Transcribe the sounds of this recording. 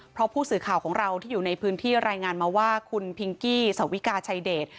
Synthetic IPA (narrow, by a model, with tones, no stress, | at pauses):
pʰɾɔ˦˥pʰuː˥˩sɯː˨˩kʰaː˨˩wkʰɔː˩˦ŋɾa˧wt̪ʰiː˥˩juː˨˩na˧jpʰɯː˦˥nt̪ʰiː˥˩ɾaː˧jŋaː˧nmaː˧waː˥˩kʰu˧npʰi˧ŋkiː˥˩sa˨˦wi˦˥kaː˧t͡ɕʰa˧jdeː˨˩t̪̚